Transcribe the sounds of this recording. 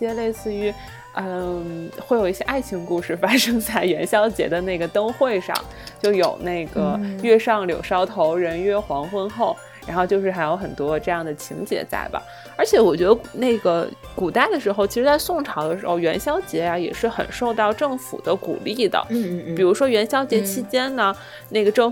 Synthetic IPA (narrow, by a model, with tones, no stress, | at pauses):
jɛ˥le˥˧ɪsɹ̩˥˩y˧˥ | ə˧xwe˥˩ɪjo˨˩ʊi˥˩ɕjɛ˥ʔa˥˩ɪt͡ɕʰi˧˥ŋku˥˧ʂɻ̩˥˩fa˥ʂɤ˥ŋt͡sa˥˩ɪɥɛ˧˥nɕjɑ˥ʊt͡ɕjɛ̰˧˥d̪ə˧ne˥˩ɪɡə˩t̪ɤ˥ŋxwe˥˧ɪʂɑ̰˥˧˦ŋ | t͡ɕjo˥˩ʊjo˨˩ʊne˥˩ɪɡə˩ɥɛ˥˧ʂɑ˥˩ŋljo̰˨˩ʊʂɑ˥ʊt̪ʰo˧˥ʊɻə˧˥nɥɛ˥˩xwɑ˧˥ŋxwə˥nxo˥˩ʊ | ɻa˧˥nxo˥˧ʊt͡ɕjo˥˧ʊʂɻ̩˥˩xa˧˥ɪjo˧˥ʊxə˨˩nt̪wɔ˥ʈ͡ʂɤ˥˧jɑ˥˩ŋd̪ə˩t͡ɕʰḭ˧˥ŋt͡ɕjɛ̰˧˥t͡sa̰˥˩ɪbɐ̰˩ | ə˞˧˥t͡ɕʰjɛ˧˥wɔ˨˩t͡ɕɥɛ˧˥ə˧ne˥˩ɪɡə˩ | ku˨˩t̪a˥˩ɪd̪ə˩ʂɻ̩˧˥xo˥˧ʊt͡ɕʰi˧˥ʂɻ̩˧˥t͡sa˥˧ɪsʊ˥˩ŋʈ͡ʂʰɑ˧˥ʊd̪ə˧ʂɻ̩˧˥xo˧ʊɥɛ˧˥nɕjɑ˥ʊt͡ɕjɛ˧˥ja˥˧jɛ̰˨˩ʂɻ̩˥˩xə̰˨˩nʂo˥˧ʊt̪ɑ˥˧ʊʈ͡ʂɤ˥˩ŋfṵ˨˩d̪ə˦kṵ˨˩li˥˩d̪ə̰˩pi˨˩ɻu˧˥ʂwɔ˥ɥɛ˧˥nɕjɑ˥ʊt͡ɕjɛ˧˥t͡ɕʰi˥t͡ɕjɛ˥nnə˨ | ne˥˩ɡə˩ʈ͡ʂɤ˥˩ŋ